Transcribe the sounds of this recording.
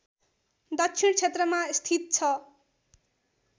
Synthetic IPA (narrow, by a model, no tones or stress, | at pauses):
d̪ʌt͡sʰint͡sʰet̪rʌmast̪ʰit̪̚t͡sʰʌ